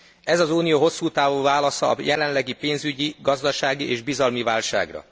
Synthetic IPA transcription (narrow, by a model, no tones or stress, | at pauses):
ɛzɒzuːnijoːɦo̞sːuːt̪aːvuːvaːlɒsɒ̰ːjɛlɛnlɛɡipeːnzyɟiɡɒzd̪ɒʃaːɡiʔeːʒbizɒlmivaːlʃa̰ːɡrɒ̰